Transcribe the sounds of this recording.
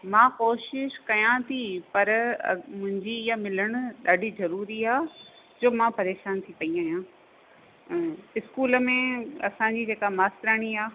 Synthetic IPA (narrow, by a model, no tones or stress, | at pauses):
mãːkoːʃɪʃkɐjãt̪ʰipɐɾɐ̰mʊ̃ɦɪ̃ɲd͡ʑijamɪləɽ̃ʊ̆ɗaːɖʱizɐɾuːɾiaː | d͡ʑoːmãpɐɾeːʃaːnt̪ʰipɐiaːɦjãː | ɪskuːlə̆mẽɐ̰sãɲd͡ʑiːd͡ʑeːkamaːst̪ɾaːɽ̃iaː